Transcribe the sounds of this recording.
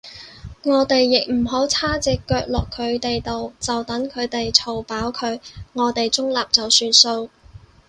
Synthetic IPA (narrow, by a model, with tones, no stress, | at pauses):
ŋɔː˨˧t̪e˨jːɪ˨k̚m̩˨˩ɦo˨˥wt͡sʰaː˥t͡sɪ˨˧kːœː˧k̚lɔː˨kʰːɵ˨˧ɥt̪e˨jt̪o˨wt͡sɐ˨wt̪ɐ˨˥ŋkʰɵ˨˧ɥt̪e˨jt͡sʰo˨˩wpaː˨˥wkʰɵ˨˧˥ɥŋɔː˨˧t̪e˨jt͡sʊ˥ŋlaː˨p̚t͡sɐ˨wsyː˧nso˧w